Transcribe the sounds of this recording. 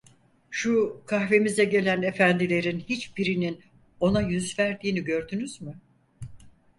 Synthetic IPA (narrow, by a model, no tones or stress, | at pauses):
ʃukʰahve̞mizɛɟe̞lʲæne̞fænd̪ilʲe̞ɾinhit͡ʃbiɾinin | o̞najyzvæɾd̪iːniɟø̞ɾd̪ynyzmy